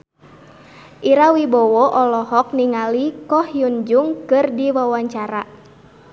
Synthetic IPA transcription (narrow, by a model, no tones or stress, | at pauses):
ʔiɾawibɔwɔʔɔlɔɦɔk̚niŋalikɔhjund͡ʒuŋkɨrdiwawaɲt͡ʃaɾa